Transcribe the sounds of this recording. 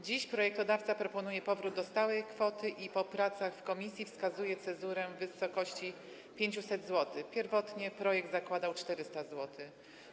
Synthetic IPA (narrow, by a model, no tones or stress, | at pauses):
d͡ʑiɕpɾɔjɛk̚t̪ɔd̪aft̪sapɾɔpɔnujɛpɔvɾud̪̚d̪ɔst̪awɛjkfɔt̪ɘʔipɔpɾat̪saxfkɔmʲisʲjifskazujɛt̪sɛzuɾɛvɘsɔkɔɕt͡ɕi | pʲjeɲt͡ɕusɛd̪zwɔt̪ɘpʲjɛɾvɔt̪ɲɛpɾɔjɛɡ̚d̪zakwad̪awt͡ʂt̪ɛɾɘst̪azwɔt̪ʰɘ